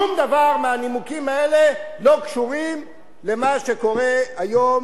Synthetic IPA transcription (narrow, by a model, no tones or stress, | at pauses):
umd̪avaʁmeanimukimaele̞lo̞kʃuʁim | le̞maʃe̞ko̞ʁe̞ajo̞m